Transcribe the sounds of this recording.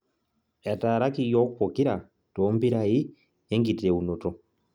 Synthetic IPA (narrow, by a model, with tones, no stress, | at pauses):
a˨taː˨ɾa˦ki˦jo˦kupo˨ki˦ɾa˨ | tombi˦ɾai˦ | e˦ŋɡi˨te˨uno˨to